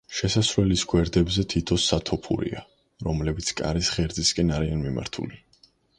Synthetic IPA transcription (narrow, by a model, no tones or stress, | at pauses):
ʃɛsasɾlɛlisɡwɛɾd̪ɛbzɛt̪ʰit̪ʰɔsːat̪ʰɔpʰṵɾḭa | ɾɔmlɛbit̪sʰkʼa̰ɾisʁɛɾd̪ziskʼɛnaɾianmima̰ɾt̪ʰṵli